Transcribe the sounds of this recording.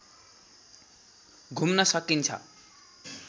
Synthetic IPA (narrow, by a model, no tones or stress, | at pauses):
ɡʱumnʌsʌkint͡sʰʌ̰